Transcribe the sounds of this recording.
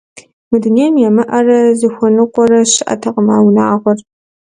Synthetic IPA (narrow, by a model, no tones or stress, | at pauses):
mɨduneːjmjɛmɨʔɐrɐzɨxʷɔnɨqʷɔɾɐɕɪʔɐ̰tʰɐqəmaːwnaːʁʷɔr